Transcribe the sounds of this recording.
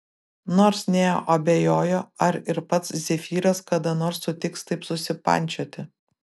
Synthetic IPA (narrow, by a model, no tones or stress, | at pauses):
noːɾsnʲeːjo̰ʔɐbʲejoːjoːɐɾɪɾpɐt̪szʲɛfʲiːɾɐskɐd̪ɐnoːɾsːʊt̪ʲɪkst̪ɐɪpsʊsʲɪpɐ̰nʲt͡ʃʲoːt̪ʲɪ